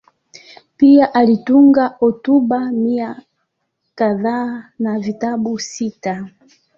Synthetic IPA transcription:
piaʔalituŋɡaʔɔtubamia | kaðanavitabusita

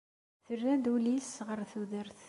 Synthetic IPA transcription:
θərːænd̪ulisʁəɾθuðəɾθ

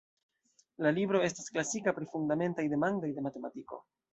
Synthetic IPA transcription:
lalibɾo̞e̞stasklasikapɾifundame̞ntajde̞mando̞jde̞mate̞matiko̞̰

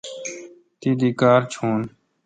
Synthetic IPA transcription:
t̪iːd̪iːkaːɾt͡ʃʰoːn

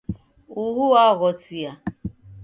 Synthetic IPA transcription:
uɣuaɣɔt͡sia

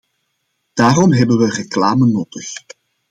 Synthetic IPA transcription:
d̥aːrɔmɦɛbənʋəreklaːmənoːtəx

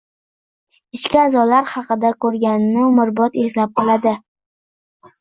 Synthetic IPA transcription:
ɪʃkʲɪazɒlaɾχɑqɨd̪akʰɵɾɡʲanɪnɪmʊɾbɒt̪eslap̚qʰɑlˠad̪ɪ

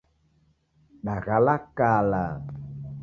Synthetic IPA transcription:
ɗaɣalakala

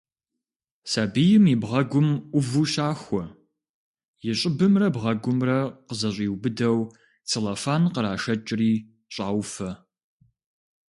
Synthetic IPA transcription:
saːbijɪmibʁɐɡʷʊmʔʷʊvuːɕaːxʷɔ | jɪɕʼɪbɨmrɐbʁɐɡʷʊmrɐqəzɐɕʼiːwbɨdɐw | t͡sʰelɐfaːnqəɾaːʃɐt͡ʃʼɪriː | ɕʼaːwfɐ

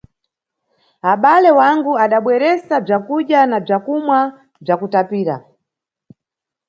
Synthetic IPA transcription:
aɓalɛwaŋɡuaɗaɓwɛɾɛsab͡ʐakuɗanab͡ʐakumwa | b͡ʐakutapiːɾa̰

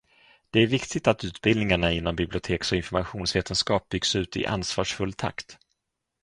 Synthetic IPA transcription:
d̪̥ɛæɾvɪkt̪ɪt̪at̪ʉ̟ːt̪bɪld̪nɪŋaɳaɪnːambɪblɪʊt̪ʰeːksɔɪnfɔɾmaɧuːnsveːt̪ənskɑːp̚bʏɡsʉ̟ːt̪ɪ̰ʔa̰nsvɑːʂfɵlːt̪ʰa̰kt̪

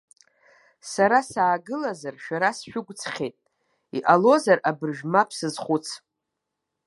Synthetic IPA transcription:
saɾasaːɡɨlazarʃᶣaɾasʃᶣʊɡʷt͡sʰχʲejtʼ | iʔalo̞zarabɨrʒᶣmapʰsɨzχʷʊt͡sʰ

